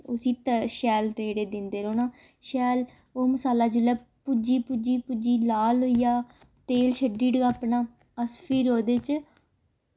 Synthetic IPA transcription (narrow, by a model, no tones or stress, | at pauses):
ʊsiːt̪əʃɛːlɾeːɽeːd̪ɪnd̪eːɾoːnaː | ʃɛːl | oːməsaːlaːd͡ʒʊlɛːpud͡ʒiːpud͡ʒiːpud͡ʒiːlaːlɦoːijaː | t̪eːlʃəɖiːɖəɡaːpnaː | əspʰiːɾoːd̪eːt͡ʃ